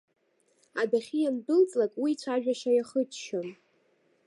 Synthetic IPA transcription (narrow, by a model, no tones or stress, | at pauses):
adaχʲijamdɨlt͡sʼlakʼwit͡ɕʷʰaʒᶣaʃajaχət͡ʃʃon